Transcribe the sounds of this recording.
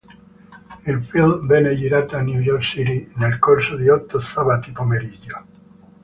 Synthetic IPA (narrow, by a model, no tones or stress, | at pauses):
ilfilvɛned͡ʒiɾat̪anjujɔrksiɾinelkorsod̪iɔt̪ːosabat̪ipomeɾid͡ʒo